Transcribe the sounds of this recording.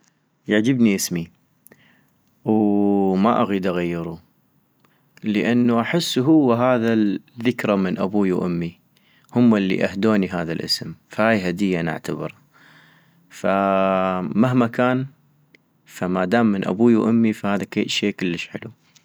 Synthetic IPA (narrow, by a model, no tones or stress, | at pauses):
jaʕd͡ʒəbniʔəsmi | wmaʔaɣiːd̪ʔaɣajːɪɾˤu | ləʔanːuʔaħɪsːɦʊwːaɦaːðaðɪkɾˤamənʔa̰buːjwʔʊmːi | hʊmːɪlːḭʔahd̪oːniɦaːðalʔə̰smfahaːjɦad̪ɪjːaʔnɪ̰ʕt̪abɪ̰ɾˤ | fa | maɦmakaːn | famad̪aːmːənʔa̰buːjwʔʊmːifahaːðakḛːʃeːkʊlːəʃħɪlu